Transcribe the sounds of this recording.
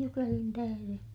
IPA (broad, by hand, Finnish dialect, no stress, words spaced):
jukelin tæhære